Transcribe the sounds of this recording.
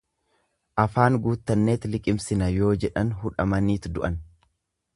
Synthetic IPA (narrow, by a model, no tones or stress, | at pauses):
ʔɐfaːŋɡuːt̪ːɐnːe̞ːt̪lɪkʼɪmsɪnɐjo̞ːd͡ʒɛᶑɐnhʊᶑɐmɐniːt̪d̪ʊʔɐn